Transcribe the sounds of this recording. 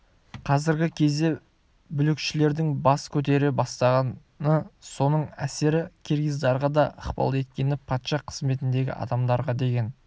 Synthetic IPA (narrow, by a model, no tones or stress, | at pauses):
qʰɑzɪɾɡʲɪkʲʰe̞zd̪e̞ | bʏlɪkʃɪle̞ɾd̪ɪŋbɑskʲʰɵt̪̬e̞ɾɪbɑst̪ɑʁɑn | əso̞nəɴæse̞ɾɪkʲʰeɾɡʲijzd̪ɑɾʁɑd̪ɑəqpɑ̰lˠe̞t̪̚kʲe̞nɪpʰɑt̪ʃɑqʰə̥zme̞t̪ɪnd̪e̞ɡʲɪ̰ʔɑ̰d̪ɑmd̪ɑɾʁɑd̪e̞ɡʲe̞n